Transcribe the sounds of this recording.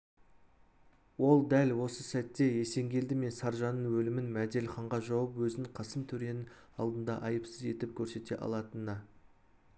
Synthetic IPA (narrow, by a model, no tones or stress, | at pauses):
wo̞lˠd̪ælwo̞səsæt̪ːe̞je̞se̞ŋɡʲe̞ld̪ɪme̞nsɑɾʒɑnəɴwɵlɪmɪnmæd̪e̞lχɑɴʁɑʒɑwəpwɵzɪɴqʰɑsəmt̪ʰɵɾe̞nɪn | ɑ̰lˠd̪ənd̪ɑʔɑjəpsəze̞t̪ɪp̚kʲʰɵɾse̞t̪e̞̰ʔɑ̰lˠɑt̪ənːɑ